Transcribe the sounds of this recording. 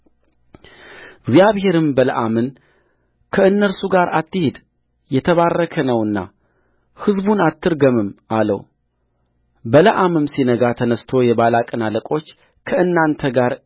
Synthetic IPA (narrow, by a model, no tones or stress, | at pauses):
ɡzjaβhe̞ɾɨmbələ̰ʔamɨn | kʰəɨnːəɾsuɡaɾat̪ʰːɨhed̪ | jɛt̪ʰəβarːəkʰənəwɨnːa̰ | hɨzbunat̪ʰːɨɾɡəmɨmʔalə̰w | bələʔamɨmsinəɡat̪ʰənəst̪ʰo̞jɛβalakʼɨnaləkʼo̞t͡ʃː | kʰəɨnːant̪ʰəɡaɾ